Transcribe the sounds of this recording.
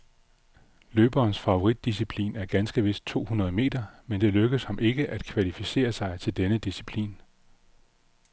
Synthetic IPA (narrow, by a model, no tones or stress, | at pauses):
løːb̥ɐːnsfɑ̈oʁid̥ːis̬ipʰlḭːnæɐɡ̥ænsɡ̥əʋe̝sd̥̚t͡sʰo̝̰ːhunɐð̞ˠme̝̰ːd̥ɐmend̥e̝løɡ̥əshɑ̈mʔe̝ɡ̥əʔæd̥̚kʰʋælifise̝̰ːɐsɑ̈ɪt͡sʰe̝ld̥enəd̥isipʰlḭːn